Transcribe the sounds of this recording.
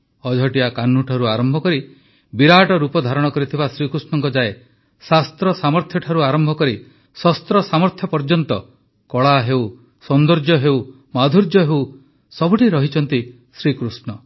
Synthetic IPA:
ɔd͡ʒʱɔʈiakanːuʈʰaɾuaɾɔmbʱɔkɔɾi | biɾaʈɔɾupɔd̪ʱaɾɔɽ̃ɔkɔɾit̪ʰibasɾikɾusnɔŋkɔd͡ʒae | sast̪ɾɔsamɔɾt̪ʰjɔʈʰaɾuaɾɔmbʱɔkɔɾi | sɔst̪ɾɔsamɔɾt̪ʰjɔpɔɾd͡ʒɔnt̪ɔ | kɔɭaɦew | sɔnd̪ɔɾd͡ʒɔɦew | mad̪ʱuɾd͡ʒjɔɦew | sɔbuʈʰiɾɔɦit͡ʃʰɔnt̪i | sɾikɾusnɔ

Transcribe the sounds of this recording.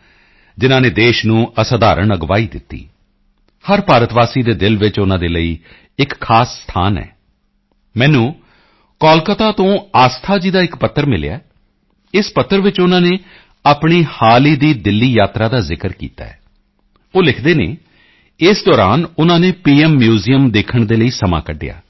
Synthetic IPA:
d͡ʒɪnãːneːd̪eːʃnũːəsaːd̪aːɾəɳəɡʋaːiːd̪ɪ̰t̪ːḭː | həɾpaːɾət̪ʋaːsiːd̪eːd̪ɪlʋɪt͡ʃʊnãːd̪eːləiː | ɪkʰːaːsːt̪ʰaːnɛ̰ː | mɛ̃ːnũː | kɔːlkət̪aːt̪õːaːst̪ʰaːd͡ʒiːd̪aːɪkpət̪ʰːəɾmɪl̰ja̰ɛː | ɪspət̪ːəɾʋɪt͡ʃʊnãːneː | aːpɳiːhaːliːd̪iːd̪ɪlːiːjaːt̪ɾaːd̪aːzɪkəɾkḭːt̪a̰ːɛ̰ː | oːlɪkʰd̪eːnḛː | ɪsd̪ɔːɾaːnʊnãːneːpiːɛːmːjuːzijəmd̪eːkʰəɳd̪eːləiːsəma̰ːkəɖɪja̰ː

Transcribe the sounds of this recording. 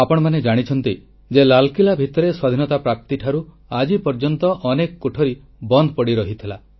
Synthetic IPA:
apɔɽ̃ɔmaned͡ʒaɽ̃it͡ʃʰɔnt̪i | d͡ʒelalkilabʱit̪ɔɾeswad̪ʱinɔt̪apɾap̚t̪iʈʰaɾu | ad͡ʒipɔɾd͡ʒɔnt̪ɔʔɔnekɔkoʈʰɔɾi | bɔnd̪ʱpɔɽiɾɔɦit̪ʰila

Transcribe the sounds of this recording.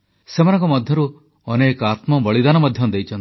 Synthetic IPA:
semanɔ̃ŋkɔmɔd̪ʱjɔɾu | ɔnekɔat̪mɔbɔɭid̪anɔmɔd̪ʱjɔd̪ejt͡ʃʰɔnt̪i̥

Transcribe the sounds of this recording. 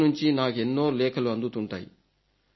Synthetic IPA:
nuɲt͡ʃinaːkenːo̞ːlɛːkʰɐluɐnd̪ut̪uɳʈa̰ːjḭ

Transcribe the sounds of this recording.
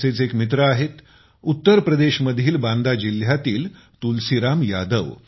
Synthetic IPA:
set͡sekmit̪ɾəaɦet̪ | ut̪ːəɾpɾəd̪eɕməd̪ʱjiːlband̪ad͡ʑiljat̪iːl | t̪ulsiɾamjad̪əʋ

